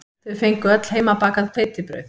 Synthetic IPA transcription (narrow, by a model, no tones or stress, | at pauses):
θʏðfejŋkʏœt̪l̥heːjmapaːkaðpʰeːjt̪ɪpɾœ̰ɥθ